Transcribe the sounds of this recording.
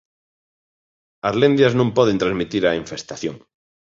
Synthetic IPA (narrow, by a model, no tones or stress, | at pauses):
azlẽnd̪jaznõmpɔðent̪ɾazmit̪iɾaiɱfest̪aθjõŋ